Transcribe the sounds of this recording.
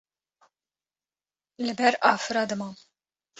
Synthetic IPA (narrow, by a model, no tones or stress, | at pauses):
lɪbɛɾʔɐfɾɐd̪mɐ